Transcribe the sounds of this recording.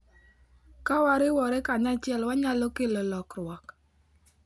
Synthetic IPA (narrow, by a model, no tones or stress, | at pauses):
kawaɾɪwɔɾɛkaɲat͡ʃɪɛlwaɲalokelolɔkɾwɔk